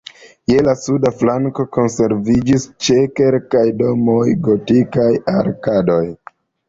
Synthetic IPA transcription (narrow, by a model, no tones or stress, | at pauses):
je̞lasudaflaŋko̞ko̞nse̞ɾvid͡ʒist͡ʃe̞ke̞lkajdo̞mo̞jɡo̞tikajaɾkado̞j